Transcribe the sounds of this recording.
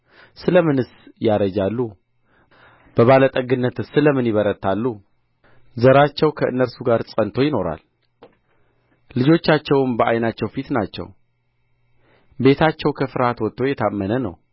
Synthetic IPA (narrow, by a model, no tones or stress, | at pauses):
sɨləmɨnɨsjaɾəd͡ʒalːu | b̥əβalət̪ʼəɡɨnːət̪ɨsɨləmɨnjɪβəɾət̪ʰːalːu | zəɾat͡ʃːɛwkʰəʔɨ̰nːəɾsuɡaɾsʼənt̪ʰo̞jɪno̞ɾa̰l | lɨd͡ʒo̞t͡ʃːat͡ʃːɛwmbəʔajnat͡ʃːɛwfit̪nat͡ʃːɛ̰w | be̞t̪ʰat͡ʃːɛwkʰəfɨɾhat̪wɔt̪ʰːo̞jɛt̪ʰamːənənə̰w